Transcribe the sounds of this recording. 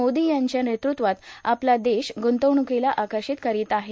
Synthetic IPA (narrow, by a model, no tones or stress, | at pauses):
od̪ijaɲt͡ɕjanet̪ɾut̪ʋat̪aplad̪eɕɡunt̪əʋɳukilaʔakəɾɕit̪kəɾiːt̪aɦe